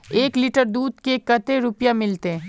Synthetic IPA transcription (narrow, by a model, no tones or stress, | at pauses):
eːklɪʈəɾd̪uːd̪kekɐt̪eɾʊpjamɪlt̪e